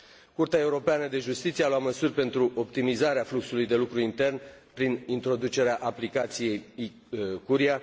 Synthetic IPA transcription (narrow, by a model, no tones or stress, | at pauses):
kurt̪eae̞uɾo̞peanəd̪e̞ʒust̪it̪siealowat̪məsurʲpe̞nt̪ɾuʔo̞p̚t̪imizaɾeafluksulujd̪e̞lukɾuint̪e̞rnpɾinint̪ɾo̞d̪ut͡ʃe̞ɾeaʔaplikat̪sije̞j | kuɾia